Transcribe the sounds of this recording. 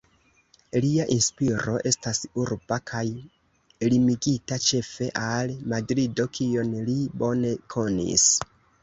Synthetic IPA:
liaʔinspiɾo̞ʔe̞stasuɾbakʰaj | limiɡitat͡ʃe̞fe̞ʔalmadɾido̞kʰio̞nlibo̞ne̞kʰo̞nḭs

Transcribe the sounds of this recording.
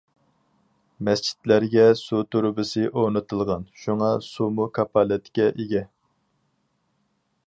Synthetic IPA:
mɛst͡ʃʰi̥t̪læɾɡʲɛsut̪ʰuɾbɨsɨʔonɨt̪ʰɨlˠʁɑnʃuŋɑsumukʰɑpʰɑlɛt̪ʰkʲɛʔeɡʲɛ

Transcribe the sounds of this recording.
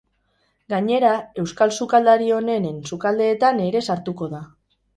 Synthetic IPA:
ɡaɲe̞ɾae̞wskalsukald̪aɾio̞ne̞ne̞nsukald̪e̞ːt̪ane̞ɾe̞saɾt̪uko̞ða

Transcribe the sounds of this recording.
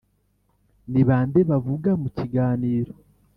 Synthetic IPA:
niβaːndeβavuɡamuciɡaːniːɾo

